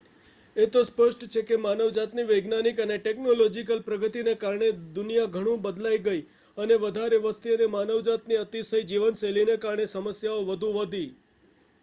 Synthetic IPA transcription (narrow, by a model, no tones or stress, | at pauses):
et̪ospəʃʈt͡ʃʰekemanəʋd͡ʒat̪niʋəɡnanikəneʈeknolod͡ʒikəlpɾəɡət̪inekaɾɳed̪ʊnijaɡʱəɽ̃ũbəd̪laiɡəi | əneʋəd̪ʱaɾeʋəst̪ʰiənemanəʋd͡ʒat̪niət̪isəjd͡ʒiʋənselinekaɾɳesəməsjaoʋəd̪ʱũʋəd̪ʱi